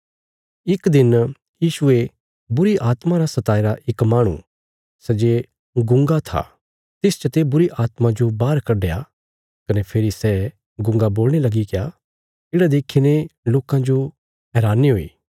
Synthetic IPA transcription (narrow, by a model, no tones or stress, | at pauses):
ɪkd̪ɪn | jiːʃʊe | bʊɾiʔaːt̪mãɾasɐt̪aːiɾaʔɪkmaːɽ̃ṵ | sɛd͡ʒe | ɡʊ̃ŋɡat̪ʰa̰ | t̪ɪst͡ʃɐt̪ebʊɾiʔaːt̪mãd͡ʒobaːɾkɐɖeja | kɐnepʰeːɾisɛ | ɡʊ̃ŋɡaboːlɽ̃elɐɡikeja | ɪɽad̪eːkʰineloːkãd͡ʒo | ɦɛːɾaːnːiɦoːḭː